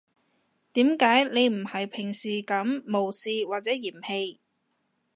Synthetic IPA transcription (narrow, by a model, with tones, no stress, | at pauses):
t̪iː˨˥mkaː˨˥jne˨˧jm̩˨˩hɐ˨jpʰɪ˨˩ŋsiː˨kɐ˨˥mːo˨wsiː˨waː˨t̚t͡sɛː˨˥jiː˨˩mhe˧j